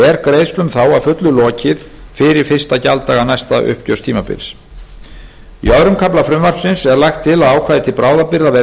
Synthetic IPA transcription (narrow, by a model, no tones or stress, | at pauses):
ɛɾkɾeːjslʏmθawavfʏt̪lʏlɔːcɪð | fɪɾɪɾ̥fɪr̥st̪acalt̪aːɣanajst̪aʔʏ̰hp̚cœst̪ʰiːmapɪ̰ls | ḭɔðɾʏmkʰaplafɾʏmvaɾ̥psɪnsɛɾlajxt̪ʰːɪlaðaːwkʰvaːðɪt̪ʰɪlpɾaːwðapɪɾðavɛː